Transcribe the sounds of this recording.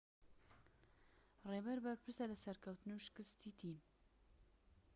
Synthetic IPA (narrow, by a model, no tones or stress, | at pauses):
reːbɛɾbɐɾpʰɨɾsalɐsɐɾkʰɐwt̪ɨnuʃɨ̥kɨst̪iːt̪ʰiːm